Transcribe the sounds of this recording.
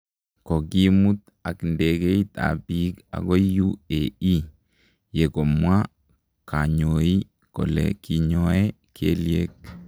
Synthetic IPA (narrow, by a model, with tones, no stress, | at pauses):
ko˨ɡi˦mu˦t̪ | a˨knde˨ɡe˦it̪a̰bi˦ka̰˨ɡɔ˦juei˦ | je˨kɔ˨mwa˦ | kʰa˨ɲo˨i˦ | kɔ̰˨lɛ̰ki˨ɲɔɛ | kʰḛ˦lie˦k̚